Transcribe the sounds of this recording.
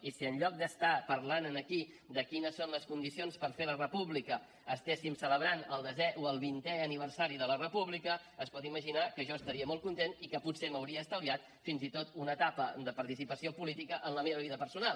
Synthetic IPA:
isiənʎɔk̚d̪əst̪apəɾlanənəki | d̪əkinəsːonləskund̪isionspəɾfelərəpuβlikəː | st̪esimsələβɾanəlˠd̪əzɛʔoəlˠβint̪ɛəniβ̞əɾsaɾiðələrəpuβlikəəspɔt̪iməʒinakəʒɔəst̪əɾiəmɔlˠt̪kunt̪enikəput̪senowɾiəːst̪əwβiat̪ | finzit̪ot̪unət̪apəd̪əpəɾt̪isipəsiopulit̪ikəʔənləmeβəβ̞iðəpəɾsunalˠ

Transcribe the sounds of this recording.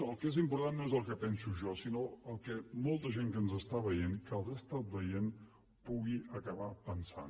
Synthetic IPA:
əlˠkezimpuɾt̪anːoezəlˠkəpɛnsuʒɔsinoəlˠkɛmɔlˠt̪əʒeŋkənzəst̪aβəjenkəlˠzast̪at̪̚bəjen | puɣiəkəβapənsa̰n

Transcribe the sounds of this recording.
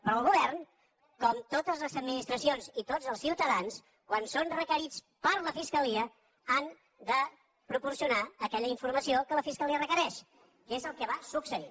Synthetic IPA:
pɾɔəlˠɣuβɛrn | kɔmt̪ot̪əzləzəd̪minist̪ɾəsionzit̪odd͡zəlˠsiwt̪əðans | kwansonrəkəɾit͡s | pəɾləfiskəliə | an | d̪ə | pɾupursiunaəkɛʎəiɱfurməsiokələfiskəliərəkəɾɛʃ | kezəlˠkəβasuksəi

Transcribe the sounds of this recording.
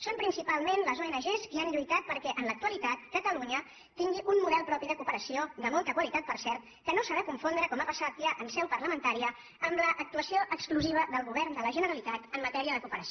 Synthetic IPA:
sompɾinsipalˠmenləzoenəʒeskianʎujt̪at̪̚pəɾkɛʔənlək̚t̪uəlit̪at̪̚kət̪əluɲə | t̪iŋɡiʔunmuðɛlˠpɾɔpiðəkupəɾəsioðəmɔlˠt̪əkwəlit̪at̪̚pəɾsɛɾt̪̚ | kənosəβɛkuɱfond̪ɾəkɔmapəsat̪̚ʎaʔəmsɛwpərləmənt̪aɾiə | əmləʔːk̚t̪uəsioʔəkskluziβ̞əðəlˠɣuβɛrnd̪ələʒənəɾəlit̪at̪əmːət̪ɛɾiəðəkupəɾəs

